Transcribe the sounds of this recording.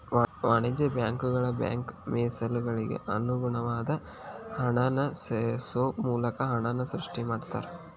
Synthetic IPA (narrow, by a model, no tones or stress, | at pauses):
ʋaːɳid͡ʒɐbjaːŋkuɡɐɭɐbja̰ːŋkmeːsɐlɡɐɭiɡḛʔɐnuɡuɳɐʋaːd̪ɐ | hɐɳɐnɐssoːpmuːlɐkɐɦɐɳɐnɐsɾiʂʈimaːɖt̪a̰ːɾe